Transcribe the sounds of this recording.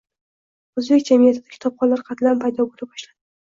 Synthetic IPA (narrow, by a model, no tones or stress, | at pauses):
ozbe̞kʲd͡ʒamijat̪ʰɪd̪ḁkʲʰɪ̥t̪ʰɒp̚χɒnlːaɾqʰɑt̪lanpʰajd̪ɒboɾɪp̚bɒʃlad̪ɪ